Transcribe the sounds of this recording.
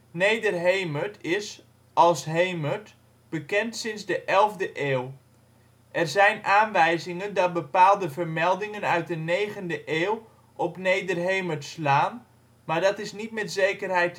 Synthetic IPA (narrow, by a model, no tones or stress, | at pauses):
nejdərɦejmətɪs | ɑlˠsɦejmət | b̥əkɛntsɪnzdəʔɛlˠvdəʔeːw | ʔɛrzɛjnaːnʋɛjzɪŋəndɑt̚bəpaːlˠdəvəɹmɛlˠdɪŋənœɥt̚dənejχəndəʔeːw | ʔɔpnejdərɦejmətslaːn | maːɹdɑtɪsnitmɛtzejkərɦɛjt